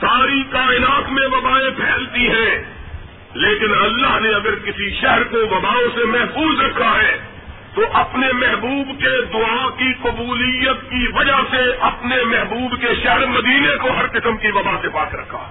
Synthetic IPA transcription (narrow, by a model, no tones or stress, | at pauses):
saːɾikaːɪnaːt̪mẽʋɐbaːẽpʰɛːlt̪iɦɛ̃ː | leːkɪnɐlːaɦneɐɡəɾkɪsiʃɛɦəɾkoʋɐbaːõsemɛɦfuːzɾɐkʰːaɦɛ | t̪oʔɐpnemɛɦbuːbked̪ʊakiqʊbuːlijət̪kiʋɐd͡ʒaseʔɐpnemɛɦbuːbkeʃɛɦɛɾmɐd̪iːnekoɦɐɾqɪsəmkiʋɐbasepaːkɾɐkʰːa̰ː